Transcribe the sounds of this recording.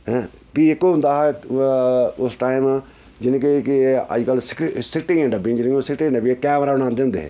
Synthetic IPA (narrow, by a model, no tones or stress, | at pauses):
ɦɛ̃ | biːɪkːoːɦʊ̃nd̪aːɦɛ | ʊsʈaːim | d͡ʒɪnk̬ːkiə̰d͡ʒkəlsɪksɪkʈĩːẽɳɖabĩd͡ʒɪnõsɪkʈĩɳɖəbiekɛːmɾaːbəɽ̃ãːnd̪eːɦʊ̃nd̪ḛːɦɛ̰ː